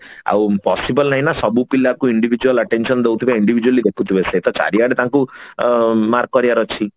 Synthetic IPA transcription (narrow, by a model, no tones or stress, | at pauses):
a̰wpɔsibɔlnajnasɔbupilakuiɳɖibʱid͡ʒualəʈensɔnd̪ewt̪ʰibaiɳɖibʱid͡ʒualid̪ekʰut̪ʰibeset̪ɔt͡ʃa̰ɾiaɽet̪ãŋku | maɾkːɔɾiaɾɔt͡ʃʰi